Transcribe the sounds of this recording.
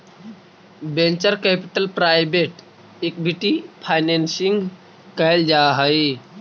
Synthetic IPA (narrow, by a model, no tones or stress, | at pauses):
bẽɲt͡ʃəɾkɛpiʈəlpɾajbeʈ | ek̚bʱiʈipʰajnensiŋɡ | kajld͡ʒaɦəj